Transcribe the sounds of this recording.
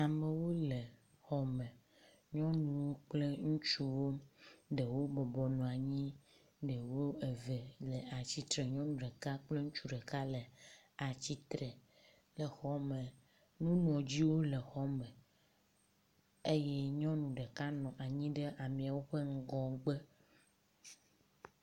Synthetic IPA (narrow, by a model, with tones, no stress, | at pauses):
a˨me˨wo˦le˨ | xɔ˦mɛ̃˨ | ɲɔ̃˦nũ˨wo˦k͡ple˦ŋũ˦t͡ʃu˦wo˦ɖə˨wo˦bɔ˨bɔ˨nɔ̃˨a˨ɲĩ˦ | ɖə˨wo˦e˨ve˨lə˨a˨t͡ɕi˦t̪ɾe˨ɲɔ̃˦nũ˨ɖə˨ka˦k͡ple˦ŋũ˦t͡ʃu˦ɖə˨ka˦lə˨a˨t͡ɕi˦t̪ɾe˨ | lə˨xɔ˦me˨ | nũ˦nũ˨ɔ˨d͡ʑi˦wo˦lə˨xɔ˦mə̃˨ | e˦jɛ˦ɲɔ̃˦nũ˨ɖə˨ka˦nɔ̃˨ʔa˨ɲĩ˦ɖə˦ʔa˨mĩ˨a˨wo˦ɸe˦ŋ̩˦ɡɔ̃˨ɡ͡be˦